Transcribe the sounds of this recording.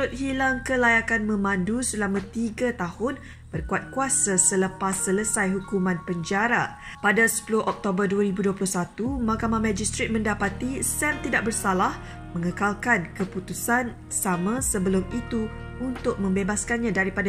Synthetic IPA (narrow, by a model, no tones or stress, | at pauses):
ɾʊt̪̚ɦilaŋkəlajakanmə̃mãndusəlamãt̪iɡat̪ahʊn | b̥ərkuat̪̚kuasasələpasːələsajɦukumãnpəɲd͡ʒaɾa | padasə̥pulʊhʔɔk̚t̪obərduaɾibuduəplʊhsat̪umakamamãd͡ʒist̪ɾet̪̚mə̃ndapat̪isɛmt̪idaʔ̚bərsalah | mə̃ŋəkalkankəput̪usan | samãsəbəlʊmit̪u | unt̪ʊk̚mə̃mbebaskanɲãdaɾipada